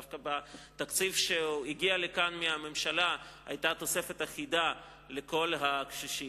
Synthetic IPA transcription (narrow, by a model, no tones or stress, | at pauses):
kabat̪akt͡sifʃeiɡialekanmeame̞mʃalaa̰jt̪at̪o̞se̞fe̞t̪aχida | le̞ko̞lɦakʃiʃi